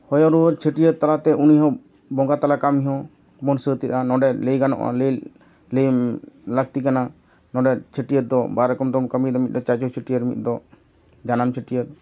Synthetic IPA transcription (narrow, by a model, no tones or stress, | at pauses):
hɔjɔɾuəɾt͡ʃʰeʈijəɾt̪alat̪ɛʔuniɦɔ̃ | bɔŋɡat̪alakamiɦɔ̃ | mɔnsət̪it̪anɔ̃ɖɛlejɡanɔ̰ʔa̰lel | lejlək̚t̪ikana | nɔɖɛt͡ʃʰeʈijəd̪ɔbaɾɛkɔmd̪ɔmkəmid̪ɔmit̪̚ˀd̪ɔt͡ʃat͡ʃɔt͡ʃʰeʈijəɾmḭt̪̚ˀd̪ɔ | d͡ʒanamt͡ʃʰeʈijəɾ̚